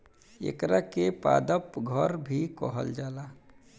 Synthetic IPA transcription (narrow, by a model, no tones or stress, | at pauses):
ḛkɾakepa̰d̪əpɡʱəɾbʱikəɦə̰ld͡ʒaːla